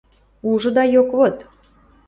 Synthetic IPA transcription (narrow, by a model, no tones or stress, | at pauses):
uʒɤ̆d̪ɑjokβot̪